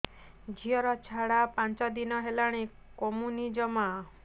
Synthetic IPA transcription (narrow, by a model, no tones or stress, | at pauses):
d͡ʒʱiɔɾɔt͡ʃʰaɽapãnt͡ʃɔd̪inɔɦelaɽ̃ĩ | kɔmunid͡ʒɔma